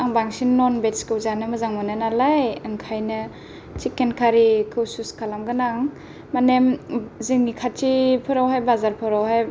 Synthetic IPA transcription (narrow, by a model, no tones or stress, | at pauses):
aŋbaŋsinːɔnbetskɯwzanɯmɯzaŋmɯnɯnalajɯŋkʰajnɯ | t͡ʃikenkʰaɾikʰɯwsuskʰalamɡɯnaŋ | manemziŋnikʰat͡ʃipʰɯɾawɦajbazaɾpʰɯɾawɦaj